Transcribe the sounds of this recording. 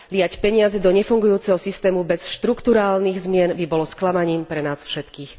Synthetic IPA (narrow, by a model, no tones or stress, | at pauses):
lɪjacpɛɲɪazɛd̪ɔɲɛfuŋɡujuːt͡sɛɦɔsist̪ɛːmubɛsʃt̪ɾukt̪uɾaːlniːɣzmɪɛnbibɔlɔsklamaɲiːmpɾɛnaːsfʃɛt̪kiːx